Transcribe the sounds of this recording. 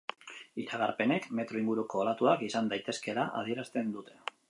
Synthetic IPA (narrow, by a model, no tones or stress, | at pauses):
iɾaɣ̞aɾpe̞ne̞kme̞t̪ɾo̞iŋɡuɾuko̞ːlat̪uakisand̪ajt̪e̞ske̞laʔa̰ð̞ie̞ɾast̪e̞nd̪ut̪e̞̥